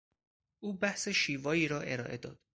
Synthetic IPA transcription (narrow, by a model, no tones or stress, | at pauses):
ʔuːbæhse̞ʃiːvɒːiːɾɒːʔe̞ɾɒːʔe̞d̪ɒ̰ːd̪̥